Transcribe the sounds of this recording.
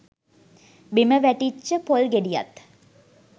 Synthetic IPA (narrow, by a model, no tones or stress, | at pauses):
biməʋæʈit͡ʃːəpolɡeɖija̰t̪